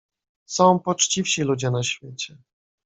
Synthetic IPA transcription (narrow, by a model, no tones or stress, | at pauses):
sɔ̃w̃pɔt͡ʂt͡ɕifɕilud͡ʑɛnaɕfʲjet͡ɕɛ